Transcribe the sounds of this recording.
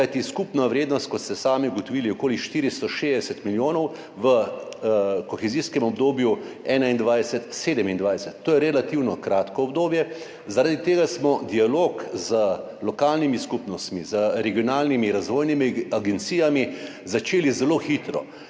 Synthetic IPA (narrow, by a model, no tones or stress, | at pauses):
kajt̪iskupnaʋɾeːd̪nɔst̪̚kɔt̪st̪ɛsaːmiɡot̪ɔʋiːliɔkoːliʃt̪iːɾist̪ɔʃeːzd̪ɛsɛt̪miljoːnɔw | ʋə | kɔxɛziskɛmɔbd̪oːbju | ɛːnaind̪ʋajsɛt̪seːd̪ɛmind̪ʋajsɛt̪ːoːjɛɾɛlat̪iwnɔkɾaːt̪kɔɔbd̪oːbjɛ | zaɾad̪it̪eːɡasmɔd̪ialoːkzə | lɔkaːlnimiskupnɔst̪mizəɾɛɡijɔnaːlnimiɾazʋoːjnimiaɡɛnt̪siːjami | zat͡ʃeːlizɛloːxit̪ɾɔ̰